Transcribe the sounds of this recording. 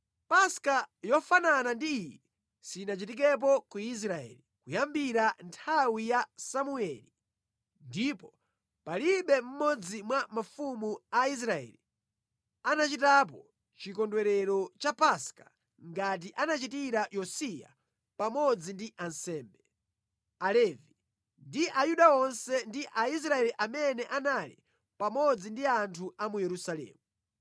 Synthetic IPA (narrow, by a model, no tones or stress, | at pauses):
paskajɔfananandiːjɛ | sinat͡ʃitik̬ɛp̬ɔkuis̬ɾaɛ̰likujambiɾantʰawijasamuɛli | ndipɔ | paliɓɛm̩mɔd͡zimwamafumuais̬ɾaɛ̰li | anat͡ʃitap̬ɔ | t͡ʃikɔndwɛɾɛɾɔt͡ʃapaska | ŋɡat̬iʔanat͡ʃitiɾajɔsija̰ | pamɔd͡zindiʔansɛːmbɛ | alɛvi | ndiʔajuɗaɔnsɛndiʔais̬ɾaɛliʔamɛnɛʔanalḭ | pamɔd͡zindiantʰuamujɛɾusalɛ̰ːmu